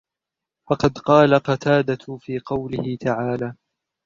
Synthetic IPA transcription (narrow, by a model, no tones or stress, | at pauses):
fɑqɑd̪qɑːlaqɑt̪ʰaːd̪afiːqɑwlɪhɪt̪aʕaːlaː